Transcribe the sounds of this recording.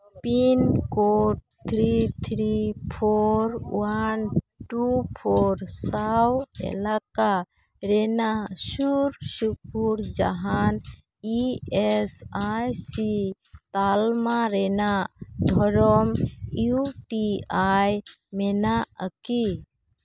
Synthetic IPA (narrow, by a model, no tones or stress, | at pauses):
pinkoʈ̚ | t̪ʰɾit̪ʰɾipʰoɾwanʈupʰoɾsawɛ̰laka | ɾɛnasuɾsup̚uɾd͡ʒa̰ɦan | iɛsajsi | t̪almaɾɛnad̪ʱɔɾɔmuʈiaj | mɛnaəki